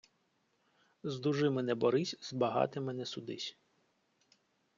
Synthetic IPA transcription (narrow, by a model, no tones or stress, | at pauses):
zd̪uʒɪmɛnɛbɔɾɪsʲzbɐɦɑ̰t̪ɪmɛnɛsʊd̪ɪsʲ